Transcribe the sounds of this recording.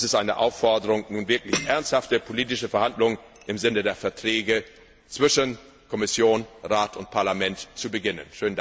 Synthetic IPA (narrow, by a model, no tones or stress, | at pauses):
sɪstʔaɪnəʔa̰ʊfɔɐdəʁʊŋnuːnvɪɐklɪçʔɛɐnsthaftəpʰoliːtɪʃəfɛɐhandlʊŋən | ʔɪmzɪnədeːɐfɛɐtʁ̥ɛːɡə | t͡sv̥ɪʃən | kʰɔmɪsjoːnʁaːtʰʊnt̚pʰaɐlamɛntt͡subəɡɪnə̰nʃøːn̩d